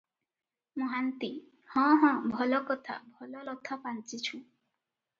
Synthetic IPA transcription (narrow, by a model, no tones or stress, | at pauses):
muɦant̪i | hɔ̃ɦɔ̃bʱɔlɔkɔt̪ʰa̰bʱɔlɔlɔt̪ʰapant͡ʃit͡ʃʰũ